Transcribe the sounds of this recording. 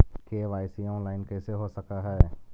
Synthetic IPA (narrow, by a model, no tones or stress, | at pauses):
keːʋaːɪsiɔ̃ːnlaːɪnkɛːseɦosɐkaɦɛː